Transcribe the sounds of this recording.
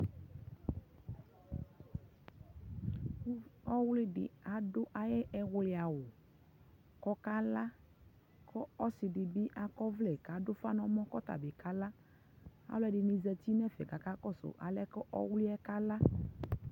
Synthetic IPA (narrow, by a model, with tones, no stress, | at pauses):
u˦ɔ˦wlɪ˦ɖɪ̰˨a˨ɖʊ˦ʔa˨je˦ʔɛ˨ɣʊ˨lɪ˨a˨wʊ˨ | kɔ˦ka˦la˦ | kʰɔ˦ɔ˦sɪ˨ɖɪ˨bɪ˦ʔa˦kɔ˦vlɛ˨ka˨ɖʊ˦fa˦nɔ̃˦mɔ̃˦kɔ˦t̪a̰˨be˨ka˦la˦ | a̰˦lɛ˦ɖɪ˨nĩ˨zɛ˨t̪i˦nɛ˦˨fɛ̰˨ɡa˨ka˦kɔ˦sʊ̰˨ʔa̰˨lɛ˦kɔ˦ʔɔ̰˦wli˦ɛ˦ka˦la˦